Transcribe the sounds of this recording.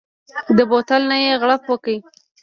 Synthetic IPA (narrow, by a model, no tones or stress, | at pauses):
d̪əbot̪alnajeɣɽafwəkai